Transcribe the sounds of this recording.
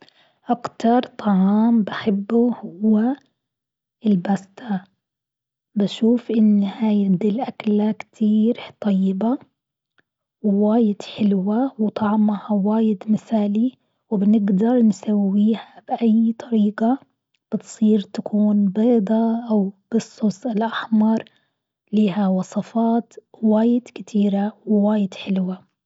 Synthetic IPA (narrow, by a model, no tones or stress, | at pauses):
ʔakt̪ɑɾˤt̪ˤɑʕɑːmbaħɪbːuhʊwːa | ɪlbast̪a | baʃuːfʔɪnːhajɪd̪ɪlʔaklakt̪ʰiːɾt̪ˤɑjːɪba | wwaːjɪd̪ħɪlwawɪt̪ˤɑʕmahawaːjɪd̪mɪθaːli | wɪbnɪɡd̪ɑɾˤnsawːiːhabɪʔajt̪ˤʰɑɾiːɡa | b̥ɪt̪sˤiːɾt̪akuːnbeːd̪ˤɑʔawb̥ɨsˤːʊsˤɪlʔaħmɑɾˤ | liːɦawɑsˤɑfɑːt̪waːjɪd̪̥kɪt̪ʰiːɾawɪwaːjɪd̪ħɪlwa